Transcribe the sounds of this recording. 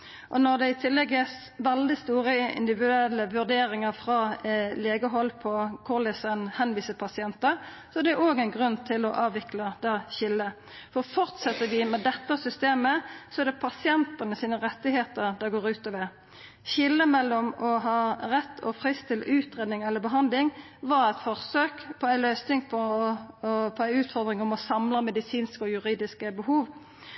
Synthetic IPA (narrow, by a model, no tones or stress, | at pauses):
ʔɔnɔʁd̪ɛɪt̪ʰɪlːɛɡɛs | ʋɛld̪ɪst̪uːɾəɪ̰nd̪ɪʋɪd̪ʉɛlːəʋʉʁd̪eːɾɪŋəʁfʁɑleːɡəɦɔlːpʰɔkʰʊʁlɪsənhɛnʋiːsəpʰɑsɪɛnt̪ə | sɔɛʁd̪ɛoːɡɛnɡʁʉnt̪ʰɪlɔʔɑːʋɪklɑd̪ɛɕɪlːə | fɔʁfɔʁt̪sɛt̪ːəd̪ɪmɛd̪ɛt̪ːəsʏst̪eːməsɔæd̪ɛpʰɑsɪɛnt̪ənəsiːnəʁɛt̪ːɪɦeːt̪əʁd̪ɛɡoːʁʉːt̪ɔːʋə | çɪlːəmɛlːɔmɔɦɑːʁɛt̪ʰːɔ̰pʰʁɪst̪ʰɪlʉːt̪ʁeːd̪nɪŋɛlːəbəɦɑnd̪lɪŋ | ʋɑɾæɪt̪fɔʁsøːkpʰɔæɪløːsnɪŋpʰɔ | pʰɔæɪʉːt̪fɔʁd̪ʁɪŋɔmɔsɑmləmɛd̪ɪsiːnskəɔjʉʁiːd̪ɪskəbəhuːʋ